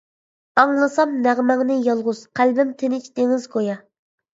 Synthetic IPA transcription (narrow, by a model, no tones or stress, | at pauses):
ɑŋlˠɨsɑmnæʁmɛŋnɪjɑlˠʁʊz̥qʰælbɪmt̪ʰenɪt͡ʃd̪eŋɪzkʰojɑ